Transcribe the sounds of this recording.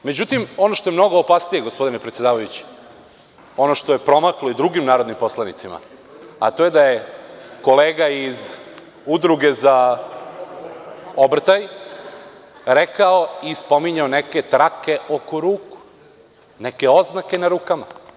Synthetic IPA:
me̞d͡ʑut̪imo̞noʃt̪o̞jemno̞ɡoːpasnije̞ɡospo̞d̪inepɾet̪ed̪aːʋajut͡ɕi̥ | o̞no̞ʃt̪oje̞pɾo̞maklˠoid̪ɾuɡimnaːɾod̪nimpo̞slˠanit̪sima̰ | a̰t̪o̞jed̪ajeko̞leːɡaiz | ud̪ɾuɡe̞za | obr̩t̪aj | ɾekaoispo̞miɲaoneke̞t̪ɾake̞o̞koɾuːku̥ | neke̞o̞znakenaɾuːkama

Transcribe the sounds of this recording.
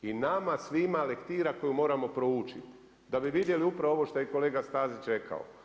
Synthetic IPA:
inamasʋimale̞kt̪iːɾako̞jumo̞ːɾamo̞pɾout͡ʃit̪ | d̪abiʋid̪je̞liupɾaʋoʋo̞ʃt̪ojeko̞le̞ːɡast̪aːzit͡ʃe̞kʰa̰o̰

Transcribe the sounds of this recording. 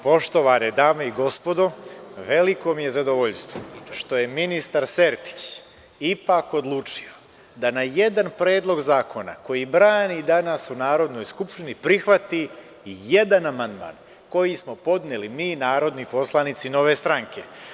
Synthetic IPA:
po̞ʃt̪o̞ʋaned̪aːmeiɡo̞spo̞d̪o̞ʋe̞liko̞mije̞zad̪oʋoʎst̪ʋoʃt̪o̞je̞minist̪aɾse̞ɾt̪i̥t͡ɕ | ipako̞d̪lˠuːt͡ʂio̞ | d̪anaje̞d̪anpɾe̞ːd̪lˠo̞ɡzaːkʰo̞na̰ko̞jibɾaːnid̪anasunaːɾo̞d̪no̞jskupʃt̪inipɾixʋat̪i | je̞d̪anamand̪ma̰ːn | ko̞jismo̞po̞d̪nelimiːnaːɾo̞d̪nipo̞slˠanit̪sino̞ʋe̞st̪ɾaŋke̞

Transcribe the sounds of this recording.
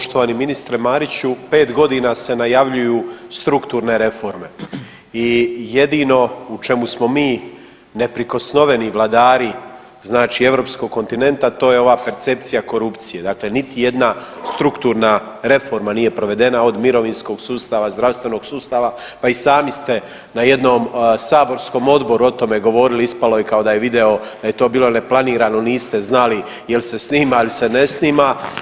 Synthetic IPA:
ʃt̪oʋanimːinist̪ɾemaːɾit͡ɕupe̞ːt̪ɡo̞d̪inase̞najaʋʎujuːst̪ɾukt̪uːɾne̞ɾe̞fo̞ɾme̞ | ije̞d̪ino̞ut͡ʃe̞musmo̞miː | ne̞pɾiko̞sno̞ʋe̞niʋlˠad̪aːɾi | znaːt͡ʃie̞ʋvɾoːpsko̞ɡkːo̞nt̪ine̞nt̪at̪o̞ːjeo̞ʋaːpe̞ɾt̪se̞pt̪sijako̞ɾupt̪sije̞d̪aːkle̞nit̪ije̞d̪na | st̪ɾukt̪uːɾna | ɾe̞fo̞ɾmaniːje̞pɾo̞ʋe̞d̪e̞nao̞d̪miɾo̞ʋinsko̞ɡsuːst̪aʋazd̪ɾaʋst̪ʋe̞no̞ɡsuːst̪aːʋapaisaːmist̪e̞ | naje̞d̪no̞msaːbo̞ɾsko̞mo̞d̪bo̞ɾuo̞t̪o̞me̞ɡo̞ʋo̞ɾiliispalo̞jikao̞d̪aje̞ʋid̪e̞o̞d̪̥aje̞t̪o̞ːbiːlo̞ne̞plˠaniːɾano̞niːst̪e̞znali | jelse̞sniːmailse̞ne̞sniːma

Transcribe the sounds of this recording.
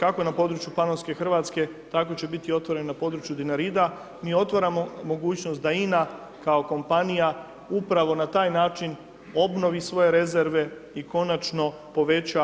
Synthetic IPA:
kako̞enapo̞d̪ɾut͡ʃjupanonske̞xr̩ʋaːt̪ske̞t̪ako̞t͡ɕe̞bit̪io̞t̪ʋo̞ɾe̞nnapo̞ːd̪ɾut͡ʃjud̪inaɾid̪a | miːo̞t̪ʋaɾamo̞mo̞ɡuːt͡ɕnost̪d̪aina | kao̞ko̞mpanija | upɾaʋo̞nat̪aːjnaːt͡ʃin | o̞bno̞ʋisʋo̞je̞ɾe̞ze̞ɾʋe̞ | iko̞nat͡ʃno̞ | po̞ʋe̞t͡ɕa

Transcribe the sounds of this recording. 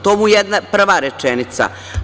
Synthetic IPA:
t̪oːmujed̪napr̩ʋaɾet͡ʂenit̪sa̰

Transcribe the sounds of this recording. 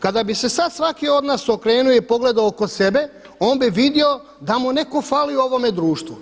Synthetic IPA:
kad̪abise̞sad̪sʋakio̞d̪naːso̞kɾe̞ːnuoipo̞ɡle̞d̪aooko̞se̞be̞ | oːnbiʋid̪io | d̪amune̞ko̞faːliuo̞ʋo̞me̞d̪ɾuːʃt̪ʋu

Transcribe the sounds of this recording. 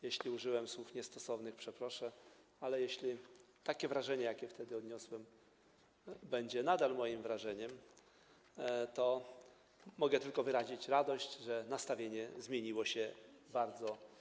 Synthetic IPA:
jeɕlʲiuʐɘwɛmswufɲɛst̪ɔsɔvnɘxpʂɛpɾɔʂɛalɛjeɕlʲi | t̪akʲɛvɾaʐɛɲɛjakʲɛft̪ɛd̪ɘɔd̪ɲɔswɛm | bɛɲd͡ʑɛnad̪almɔjimvɾaʐɛɲɛm | t̪ɔ | mɔɡɛt̪ɘlkɔvɘɾaʑit͡ɕɾad̪ɔɕt͡ɕʐɛnast̪avʲjeɲɛzmʲjeɲiwɔɕɛbaɾd̪zɔ

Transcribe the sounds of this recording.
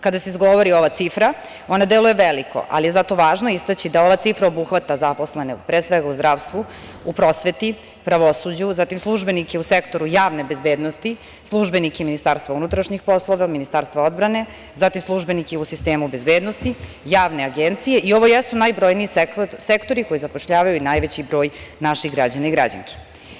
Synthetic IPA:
kad̪aseizɡoʋoɾio̞ʋat̪sifɾa | o̞nad̪elujeʋeliko̞̰ʔa̰lije̞zat̪o̞ʋaːʒnoist̪at͡ɕid̪ao̞ʋat̪sifɾaobuxʋat̪azaposle̞nepɾeːsʋeɡauzd̪ɾaːʋst̪ʋu | upɾo̞sʋe̞t̪i | pɾaʋosud͡ʑuzat̪imslˠuʒbenikeusekt̪o̞ɾujaːʋnebezbeːd̪nost̪i | slˠuʒbenikeminist̪aːɾst̪vaunut̪ɾaʃɲixpo̞slˠoʋaminist̪aːɾst̪vʋao̞d̪bɾane̞ | zat̪imslˠuʒbe̞nikeusist̪e̞ːmube̞zbeːd̪nost̪i | jaːʋne̞aɡent̪sije̞ʔio̞ʋojɛsunajbɾo̞jniːsekt̪o̞ɾiko̞jizapo̞ʃʎaːʋajuinajʋet͡ɕibɾo̞ːjnaʃixɡɾad͡ʑanaiɡɾa̰d͡ʑa̰ŋkʰe̥

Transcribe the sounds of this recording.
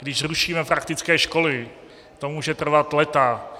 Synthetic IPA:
ɡdɪʃruʃiːmɛpɾakt̪ɪt͡skɛːʃko̞lɪ | t̪omuːʒɛt̪r̩vat̪lɛt̪a

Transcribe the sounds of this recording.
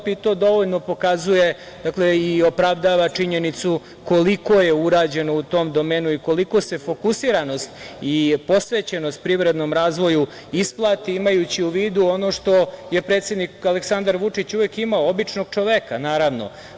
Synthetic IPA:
pit̪o̞ːd̪o̞ʋoʎno̞po̞kazuje̞ | d̪akle̞io̞pɾaʋd̪aːʋat͡ʂiɲenit̪su | ko̞liko̞je̞uɾaːd͡ʑe̞no̞ut̪o̞ːmd̪o̞meːnuiko̞liko̞se̞fo̞kusiɾano̞st̪ipo̞sʋeːt͡ɕe̞nost̪̚pɾiʋɾe̞d̪no̞mɾaːzʋo̞ju | isplˠaːt̪iimajut͡ɕiuʋiːd̪uo̞no̞ʂt̪o̞je̞pɾet̪sjed̪nikaleksand̪aɾʋut͡ʂit͡ɕuʋekimaoobit͡ʂno̞ɡ̥̚t͡ʂo̞ʋekanaːɾaʋno̞̰

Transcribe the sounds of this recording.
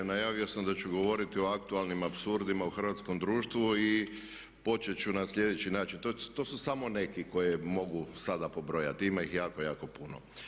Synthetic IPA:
najaːʋiosamd̪at͡ʃuɡo̞ʋo̞ɾit̪io̞ak̚t̪ualˠnimapsuɾd̪imauxr̩ʋat̪sko̞md̪ɾuːʃt̪ʋui | po̞t͡ʃet͡ʃunaslʎʲje̞d̪et͡ɕinaːt͡ʃint̪ot̪o̞susamo̞ne̞kiko̞jemo̞ɡusad̪apo̞bɾo̞ja̰t̪iimaixjaːko̞jaːko̞puno̰

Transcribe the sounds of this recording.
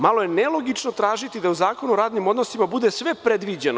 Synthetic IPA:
malˠo̞je̞nelˠo̞ɡit͡ʃnot̪ɾaːʒit̪id̪auzaːko̞nuɾaːd̪nimo̞d̪no̞simabud̪esʋe̞pɾed̪ʋid͡ʑeno

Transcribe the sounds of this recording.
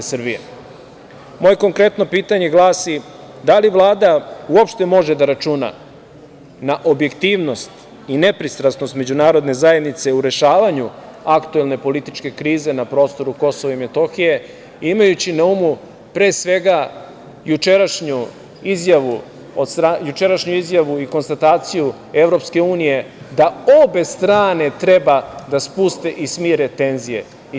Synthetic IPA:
sr̩bije | mo̞ːje̞ko̞ŋkɾe̞t̪no̞piːt̪aɲe̞ɡlaːsi | d̪aliʋlˠaːd̪auopʃt̪e̞mo̞ʒe̞d̪aɾat͡ʃuna̰ | naʔo̞bje̞kt̪iːʋno̞st̪ | ine̞pɾist̪ɾasno̞st̪me̞d͡ʑunaːɾo̞d̪ne̞zaje̞d̪nit̪se̞uɾe̞ʃaːʋaɲu | akt̪ue̞lˠne̞po̞lit̪it͡ʃke̞kɾiːze̞napɾo̞ːst̪o̞ɾuko̞soʋaimet̪o̞xije̞ | imajut͡ɕinaumu | pɾe̞ːsʋe̞ɡa | jut͡ʃeɾaʃɲu | izjaʋu | od̪st̪ɾajut͡ʃe̞ɾaʃɲuizjaʋuiko̞nst̪at̪aːt̪siju | eʋɾo̞pske̞uːnije̞ | d̪ao̞be̞st̪ɾaːne̞t̪ɾe̞bad̪aspust̪e̞ʔismiːɾe̞t̪e̞nzije̞̰

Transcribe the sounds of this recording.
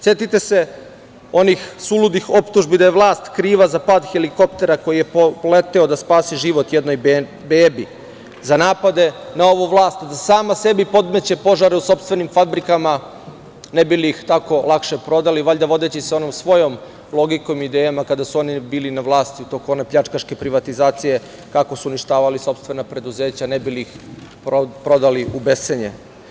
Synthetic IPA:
sjet̪it̪e̞se̞ | o̞nixsulud̪ixo̞pt̪uʒbid̪ajeʋlˠaːst̪kɾiːʋazapad̪xeliko̞pt̪e̞ɾako̞jijepolet̪eod̪aspaːsiʒiʋo̞t̪jed̪noj | beːbi | zanaːpad̪e̞nao̞ʋuʋlˠaːst̪d̪asaːmase̞bipo̞d̪me̞t͡ɕe̞po̞ʒaɾeuso̞pst̪ʋe̞nimfabɾikama | nebilixt̪ako̞lˠakʃe̞pɾo̞d̪aliʋaʎʲd̪aʋo̞d̪et͡ɕiseo̞nomsʋo̞jo̞m | lˠo̞ɡikomid̪ejamakad̪asuo̞nibiːlinaʋlˠaːst̪iut̪okonepʎat͡ʃkaʃke̞pɾiʋat̪izaːt̪sije̞ | kako̞suuniʃt̪aːʋaliso̞pst̪vʋe̞napɾe̞d̪uze̞ːt͡ɕanebilix | pɾo̞d̪aliʔubeseɲe

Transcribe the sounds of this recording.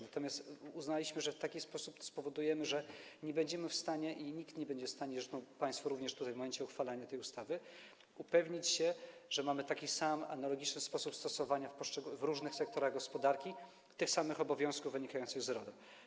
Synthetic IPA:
nat̪ɔmʲjast̪uznalʲiɕmɘʐɛft̪akʲispɔsupspɔvɔd̪ujɛmɘʐɛɲɛbɛɲd͡ʑɛmɘfst̪aɲɛʔiɲikt̪ɲɛbɛɲd͡ʑɛfst̪aɲɛzɛd̪ɔpaj̃st̪fɔɾuvɲɛʂt̪ut̪ajvmɔmɛɲt͡ɕɛuxfalaɲat̪ɛjust̪avɘ | upɛvɲit͡ɕɕɛʐ̥ɛmamɘt̪akʲisama̰nalɔɡʲit͡ʂnɘspɔsupst̪ɔsɔvaɲafpɔʂt͡ʂɛɡuvɾuʐnɘxsɛkt̪ɔɾaɣɡɔspɔd̪aɾkʲi | t̪ɘxsamɘxɔbɔvʲjɔ̃w̃skuvvɘɲikajɔnsɘɣzɾɔd̪ɛ

